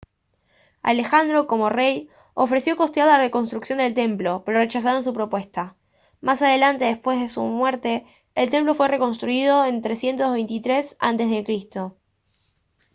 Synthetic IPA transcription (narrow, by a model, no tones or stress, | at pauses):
a̰le̞xand̪ɾo̞ko̞mo̞rej | ofɾe̞sjo̞ko̞st̪jaðlareko̞nst̪ɾuksjo̞nd̪e̞lt̪e̞mplo̞pe̞ɾo̞ret͡ʃas̬aɾons̬upɾo̞pwe̞st̪a | masaðe̞lant̪e̞ðespwe̞zðesṵmweɾt̪e̞ː | lt̪e̞mplo̞fwe̞re̞ko̞nst̪ɾuið̞o̞ent̪ɾe̞sje̞nt̪ozβejnt̪it̪ɾe̞sa̰nt̪e̞zðe̞kɾist̪o̞